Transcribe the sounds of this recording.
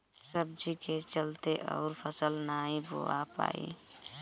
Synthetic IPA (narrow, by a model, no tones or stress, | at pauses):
səb̚d͡ʒiket͡ʃəlt̪eʔɔːɾpʰəsəlnaĩbo̰apa̰ːḭ